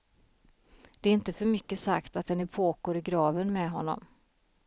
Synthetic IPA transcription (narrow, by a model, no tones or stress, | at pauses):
d̪ɛæɾɪnt̪əfœɾmʏkːəsakt̪at̪̚d̪ɛnɪpʰoːkoːɾɪɡɾɑːvənmɛɦɔnːɔ̰m